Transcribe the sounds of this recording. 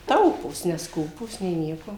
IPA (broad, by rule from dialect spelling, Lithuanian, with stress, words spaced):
ˈtɐʊpuːs nʲɛsˈkuːpuːs nʲeː ˈnʲiɛkoː